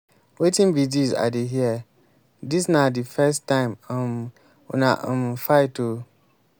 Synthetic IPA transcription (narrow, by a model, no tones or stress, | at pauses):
wetʰĩnbidiza̰deɦiɛ | dis̬nãdifɛstʰːãɪ̃mm | ɔ̰nã̰ʔmfaɪto